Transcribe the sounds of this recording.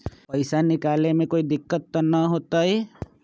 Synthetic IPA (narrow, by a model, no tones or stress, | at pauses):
pəjsanikalemekoid̪ikːʌt̪ːʌnʌɦot̪ʌj